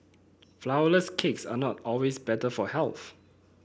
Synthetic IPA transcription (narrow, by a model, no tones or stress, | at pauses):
flaʊələskʰeksa̰nɔtɔlwesbɛtəfɔhɛlθ